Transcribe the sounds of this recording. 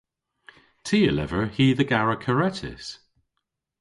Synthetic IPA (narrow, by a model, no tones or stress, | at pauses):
tʰiːəlɛ̰vəhiːðəɡaɹəkʰəɹɛtʰɪ̰s